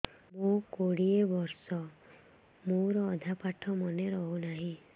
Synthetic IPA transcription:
mokoɽiebɔɾsɔ | moɾɔːd̪ʱapaʈʰɔmɔneɾɔɦunaɦĩ

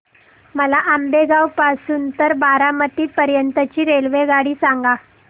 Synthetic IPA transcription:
məlaʔambeɡawpasuːnt̪əɾbaɾamət̪iːt̪̚pəɾjənt̪ət͡ɕiːɾelʋeɡaɽiːsaŋɡa

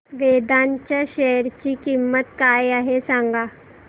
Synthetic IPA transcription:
ʋed̪aɲt͡ɕjaɕɛjəɾt͡ɕiːkimːət̪kajaɦesãŋɡa

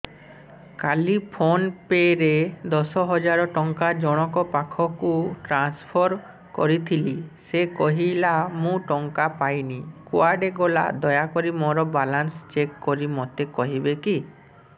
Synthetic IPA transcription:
kalipʰonpeɾed̪ɔsɔɦɔd͡ʒaɾɔʈɔŋkad͡ʒɔɽ̃ɔkɔpakʰɔkuʈɾanspʰɔɾ | kɔɾit̪ʰilisekɔɦilamũʈɔŋkapajnikuaɾɖeɡola̰d̪ɔjakɔɾimɔɾɔbalanst͡ʃekːɔɾimɔt̪ekɔɦibeki

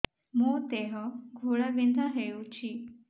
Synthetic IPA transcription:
mot̪eɦəɡʱoɭaʋind̪ʱãɦeut͡ɕʰi

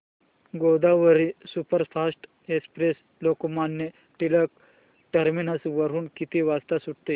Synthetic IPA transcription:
ɡod̪aʋəɾisupəɾfʰasʈ | espɾes | lokomanjə | ʈilək | ʈəɾminəsʋəɾuːnkit̪iʋast̪asuʈt̪e

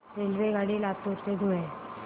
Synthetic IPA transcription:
ɾeːlʋeɡaːɽilaːb̚t̪oːɾsed̪ʱuẽ

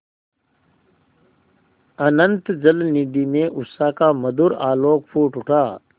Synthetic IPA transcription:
ənənt̪d͡ʒəlnid̪imẽʔʊsakaməd̪uɾaːloːkpʰuːʈʊʈʰaː

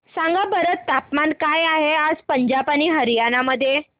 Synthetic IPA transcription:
saŋɡabəɾət̪ːapmankajaɦead͡zpəɲd͡ʑapaniːɦəɾjanaməd̪ʱːje

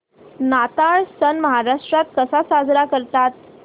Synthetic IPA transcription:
nat̪aɭsənməɦaɾaʂʈɾat̪̚kəsasad͡zɾakəɾt̪at̪̚

